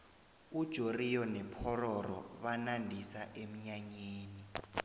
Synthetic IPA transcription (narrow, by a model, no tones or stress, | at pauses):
ud̥ʒ̥ʱorijɔnɛpʰɔrɔrɔ̰βanandʱisaʔem̩ɲaɲeːni